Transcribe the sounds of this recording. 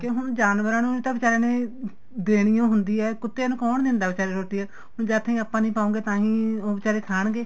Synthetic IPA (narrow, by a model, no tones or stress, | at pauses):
keɦʊnd͡ʒaːnʋəɾaːnũːt̪ãːbɪt͡ʃaːɾeːnẽː | d̪eːɽ̃ɪjãːɦʊnd̪iːɛːkʊt̪ːenũːkɔːɳd̪ɪ̃nd̪aːʋɪt͡ʃaːɾeːɾoːʈ̪iːɛː | hʊnd͡ʒɛːt̪ʰːĩːəpːãːnĩːpaːõːŋɡeːt̪ãːɦĩːoːbɪt͡ʃaːɾeːkʰaːɳɡeː